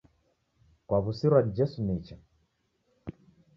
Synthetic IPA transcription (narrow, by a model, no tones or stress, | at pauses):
kwaβusiɾwad͡ʒɛsunit͡ʃa